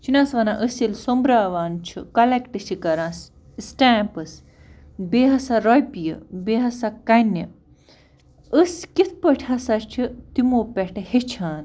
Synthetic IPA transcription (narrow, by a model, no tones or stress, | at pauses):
t͡ʃʰinʲãːsʋɐnãʔəsilsombɾaːʋaːnt͡ʃʰikɐlekʈɨsikɐɾãːs | sʈaːmpɐs | beːɦɐsaɾojpijə̰beɦɐsakɐnɐ | əskit̪ʰpəʈʰʲhɐsat͡ʃʰit̪imoːpɛʈɐhet͡ʃʰaːn